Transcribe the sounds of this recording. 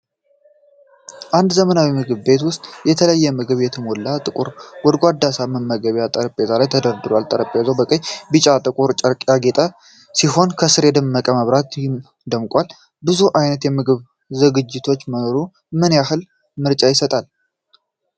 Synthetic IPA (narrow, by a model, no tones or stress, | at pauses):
ʔand̪zəmənawimɨɡɨβbe̞t̪wʊst̪ʼjɛt̪ʰələjːɛmɨɡɨβjɛt̪ʰɨmolːat̪ʼɨkʼuɾwɔd̪ɡʷad̪ːasaməmːəɡəβjat̪ʼəɾəpʼːezalajt̪ʰəd̪əɾd̪ɨɾwalt̪ʼəɾəpʼːezəwbəkʼəɲbɨt͡ʃʼat̪ʼɨkʼuɾt͡ʃʼəɾkʼaɡe̞t̪ʼa | siho̞nkʰəsɨɾjɛd̪əmːəkʼəməβɾat̪ | d̪əmkʼʷal | bɨzuʔajnət̪jɛmɨɡɨβ | zɨɡɨd͡ʒːɪt̪ʰo̞t͡ʃːməno̞ɾu | mɨnjahɨl | mɨɾt͡ʃʼajɪsət̪ʼal